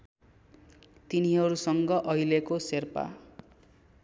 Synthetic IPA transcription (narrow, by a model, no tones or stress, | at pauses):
t̪iniɦʌɾusʌŋɡʌʔʌjlekoserpa̰